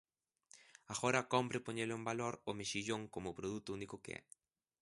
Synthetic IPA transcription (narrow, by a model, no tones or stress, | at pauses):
aɣoɾɐkɔmpɾɪpoɲelʊẽmbaloɾʊmeʃiʎoŋkomʊpɾoðut̪ʊunikʊkeɪ̰ɛ̰